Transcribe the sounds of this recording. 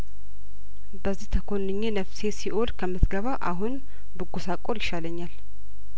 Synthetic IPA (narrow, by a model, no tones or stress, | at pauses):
bəzːiht̪ʰəkʰonːɨɲːenəfsesiʔolkʰəmːɨt̪ɡəβaʔaɦun | bɨɡosakʼoɾjɪʃaləɲːal